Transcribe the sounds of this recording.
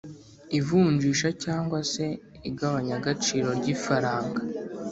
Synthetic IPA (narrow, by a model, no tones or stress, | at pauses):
ivuːɲd͡ʒiːʃacaːŋɡwase̞ | iɡaβaɲaɡat͡ʃiːɾo̞ɾɟiːfaɾaːŋɡa